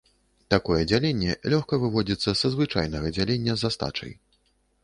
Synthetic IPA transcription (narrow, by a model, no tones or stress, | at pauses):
t̪akɔjɛd͡zʲalʲenʲːɛlʲɔxkɐvɨvɔd͡zʲit̪sːɐsɐzvɨt͡ʂa̰jnɐɣɐd͡zʲalʲenʲːɐzast̪a̰t͡ʂɐ̰j